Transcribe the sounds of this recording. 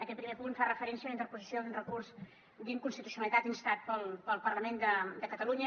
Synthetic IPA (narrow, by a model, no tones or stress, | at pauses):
əkɛt̪̚pɾimepunfarəfəɾɛnsiəunəint̪əɾpuzisioðunrəkurz | d̪iŋkunst̪it̪usiunəlit̪at̪inst̪at̪̚pəlˠpəlˠpərləmend̪əd̪əkət̪əluɲə